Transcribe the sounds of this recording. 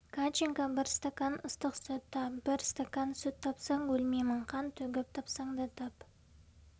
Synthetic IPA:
kʰat͡ʃiŋkabɪɾst̪akanʊst̪əqsɵt̪ʰːɑpbɪɾst̪akansɵt̪ʰːɑpsɑŋwɵlmemɪɴqʰɑnt̪ʰɵɡʲɪp̚t̪ʰɑpsɑɴd̪ɑt̪ʰɑp

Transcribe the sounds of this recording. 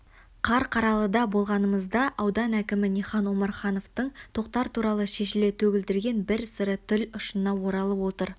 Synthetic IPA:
qʰɑɾqʰɑɾɑlˠəd̪ɑbo̞lˠʁɑnəməzd̪ɑʔɑwd̪ɑnækʲɪmɪniχɑnwo̞mɑɾχɑno̞ft̪əɴt̪ʰo̞q̚t̪ɑɾt̪ʰuɾɑlˠəʃe̞ʃɪle̞t̪ʰɵɡʲɪld̪ɪɾɡʲe̞nbɪɾsəɾət̪ʰɪlʊʃənɑwo̞ɾɑlˠəpwo̞t̪əɾ

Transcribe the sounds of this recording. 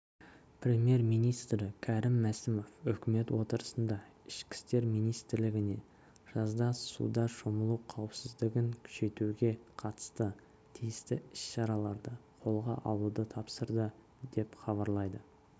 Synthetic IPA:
pɾʲe̞mje̞ɾmijnijst̪ɾɪkʲʰæɾɪmːæsɪmo̞fʏkʲme̞t̪wo̞t̪əɾəsənd̪ɑ | ɪʃkʲɪ̥st̪e̞ɾmijnijst̪ɪɾlɪɡʲɪne̞ | ʒ̥ɑzd̪ɑssṵd̪ɑʃoməlˠuqʰɑwəpsɪzd̪ɪɡʲɪŋkʲʰʏ̥ʃe̞t̪uɡʲe̞qʰɑt̪ə̥st̪ə | t̪ʰijɪst̪ɪɪsʃɑɾɑlˠɑɾd̪əqʰo̞lˠʁɑ̰ʔɑ̰lˠud̪ət̪ʰɑpsəɾd̪ə | d̪e̞pχɑβɑɾlˠɑjd̪ə

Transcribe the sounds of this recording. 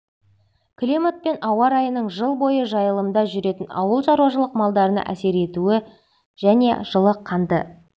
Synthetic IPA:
kʰlʲimot̪̚pe̞nɑwɑɾɑjənəɴʒəlˠbo̞jəʒɑjəlˠəmd̪ɑʒʏɾe̞t̪ɪnɑ̰wəlˠʒɑɾuwɑʒəlˠəqmɑlˠd̪ɑɾənɑ̰ʔæse̞ɾe̞t̪uɪ | ʒ̥æne̞ʒ̥əlˠəqʰːɑnd̪ə̰

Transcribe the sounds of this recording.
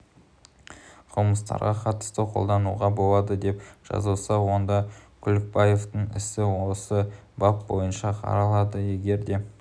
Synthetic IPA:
qʰʊməst̪ɑ̰ɾʁɑqʰɑt̪ə̥st̪əqʰo̞lˠd̪ɑnuʁɑbo̞lˠɑd̪əd̪e̞pʒ̥ɑ̰zuwˠsɑwo̞nd̪ɑkʲʰʏlɪk̚baje̞ft̪əɴɪ̰sɪwo̞səbɑp̚bo̞̰jənʃɑqʰɑ̰ɾɑlˠɑd̪əje̞ɡʲe̞ɾd̪e̞

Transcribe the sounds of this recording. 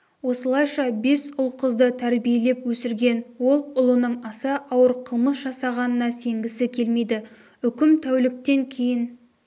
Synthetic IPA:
wo̞səlˠɑjʃɑbe̞sʊlˠqʰəzd̪ət̪ʰæɾbije̞le̞pwɵsɪɾɡʲe̞nwo̞lˠʊlˠənəɴɑsəʔɑwəɾqʰəlˠməsʒ̥ɑsɑʁɑnənɑse̞ŋɡʲɪsɪkʲʰe̞lme̞jd̪ɪ | ʏkʲɪmt̪ʰæwlɪk̚t̪e̞ŋkʲʰe̞jɪn

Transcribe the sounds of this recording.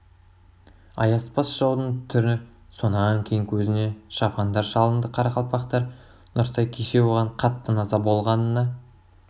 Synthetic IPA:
ɑ̰jɑspɑsʒ̥ɑwd̪əɴt̪ʰʏɾɪnɪ | so̞nɑŋkʲʰejɪŋkʲʰɵzɪne̞ʃɑpʰɑnd̪ɑɾʃɑlˠənd̪əqʰɑɾɑqʰɑlˠpɑqt̪ɑɾ | nʊɾt̪ɑjkʲʰeʃe̞woʁɑɴqʰɑt̪ːənɑzɑbo̞lˠʁɑnənːɑ

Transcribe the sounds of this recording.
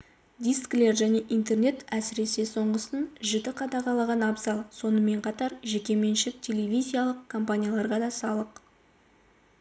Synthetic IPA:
d̪ijskle̞ɾʒæne̞ʔint̪e̞rne̞t̪æsɪɾe̞se̞so̞ɴʁəsənʒɪd̪ɪqʰɑd̪ɑʁɑlˠɑʁɑnɑbzɑlˠso̞nəme̞ɴqʰɑt̪ɑɾʒe̞kʲe̞me̞nʃɪk̚tʲʰe̞le̞vʲizʲijalˠəqkʰo̞mpanʲijalˠɑɾʁɑd̪ɑsɑlˠəq

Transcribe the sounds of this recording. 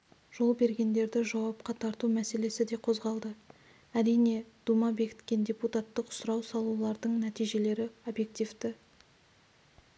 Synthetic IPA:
ʒ̥o̞lˠbe̞ɾɡʲe̞nd̪e̞ɾd̪ɪʒɑwɑp̚qɑt̪ʰɑɾt̪umæse̞le̞sɪd̪e̞qʰo̞zʁɑlˠd̪ə | æɾijne̞d̪̥umɑbe̞kʲɪ̥t̪kʲe̞nd̪ʲe̞put̪at̪ːəqʊ̥sʊɾɑwsɑlˠulˠɑɾd̪əɴnæt̪ijʒe̞le̞ɾɪo̞bje̞k̚t̪ʲivd̪ɪ

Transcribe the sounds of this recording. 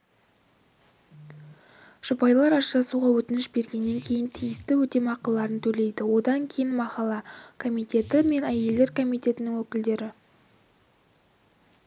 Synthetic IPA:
ʒ̥ʊpɑjlˠɑɾɑʒt̪ɑsuʁɑwɵt̪ɪnɪʃbe̞ɾɡʲe̞nːe̞ŋkʲʰe̞jɪnt̪ʰijɪst̪ɪwɵt̪e̞mɑqəlˠːɑɾənt̪ʰɵle̞jd̪ɪwo̞d̪ɑŋkʲʰe̞jɪnmɑqɑlˠɑkʰo̞mijt̪ʲe̞t̪ɪme̞næje̞ld̪e̞ɾkʰo̞mijt̪ʲe̞t̪ɪnɪŋwɵkʲɪld̪e̞ɾɪ

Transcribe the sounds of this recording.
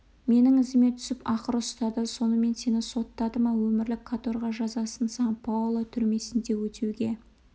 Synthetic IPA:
me̞nɪŋɪzɪme̞t̪ʰʏ̥sɪpɑqəɾʊst̪ɑd̪əso̞nəme̞nse̞nɪso̞t̪ːɑd̪əmɑwɵmɪɾlɪkʰːat̪o̞ɾʁɑʒɑzɑsənsɑɴpʰɑwʊlˠət̪ʰʏɾme̞sɪnd̪e̞wɵt̪ʰewɡʲe̞

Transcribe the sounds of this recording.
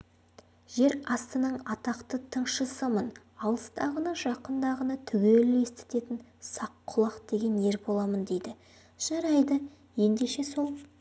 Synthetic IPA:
ʒ̥e̞ɾɑst̪ənəɴɑt̪ɑqt̪ət̪ʰəɴʃəsəmən | ɑlˠəst̪ɑʁənɑʒɑqənd̪ɑʁənɑt̪ʰʏɡʲelɪe̞st̪e̥t̪e̞t̪ɪnsɑqʰːʊlˠɑqd̪e̞ɡʲe̞ne̞ɾbo̞lˠɑmənd̪e̞jd̪ɪ | ʒ̥ɑɾɑjd̪ə | je̞nd̪e̞ʃe̞so̞lˠ

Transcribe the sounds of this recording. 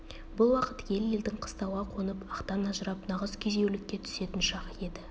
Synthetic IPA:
bʊlˠwɑqət̪je̞lje̞ld̪ɪŋqʰə̥st̪ɑwʁɑqʰonəpɑqt̪ɑnɑʒəɾɑpnɑʁəzkʲʰeze̞wlɪkʲːe̞t̪ʰʏ̥se̞t̪ɪnʃɑqəje̞d̪ɪ

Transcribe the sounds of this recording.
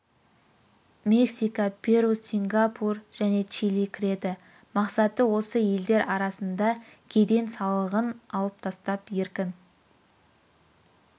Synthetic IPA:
mʲe̞ksijkəpʲʰe̞ɾusʲiŋɡapʰurʒ̥æne̞t͡ʃilikʲʰɪɾe̞d̪ɪ | mɑqsɑt̪əwo̞səje̞ld̪e̞ɾɑɾɑsənd̪ɑkʲʰe̞d̪e̞nsɑlˠəʁənɑlˠəp̚t̪ʰɑst̪ɑpje̞ɾkʲɪn

